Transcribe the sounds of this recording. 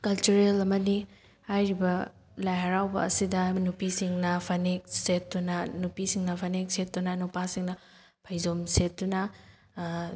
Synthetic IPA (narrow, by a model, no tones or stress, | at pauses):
kɐlt͡ʃuɾelɐmɐni | hajɾibɐ | lajɦɐɾawbɐ̰ːsidɐnupisiŋnɐpʰɐnek̚set̚ːunɐnupisiŋnɐpʰɐnek̚set̚dunɐnupasiŋnɐ | pʰɐjzomset̚dunɐ